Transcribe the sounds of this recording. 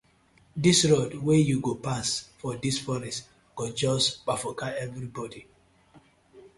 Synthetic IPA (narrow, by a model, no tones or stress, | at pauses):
disɹodwejuɡopasfɔdisfɔɾis | ɡ̥od͡ʒɔsk͡pafɔkaɛvɹibɔdi